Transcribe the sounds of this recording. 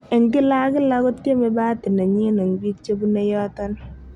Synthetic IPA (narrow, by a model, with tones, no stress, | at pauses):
e˨ŋɡɪ˦la˦kɪ˦la˦kʊ˦ttje˦me˦ba˦ti˨ne˨ɲi˦no˨ŋ˨ɡi˦tt͡ʃe˦bu˦ne˦jɔ˦tɔ˦n